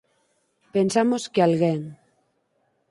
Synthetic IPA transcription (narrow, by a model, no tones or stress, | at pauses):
pensamoskealɣeŋ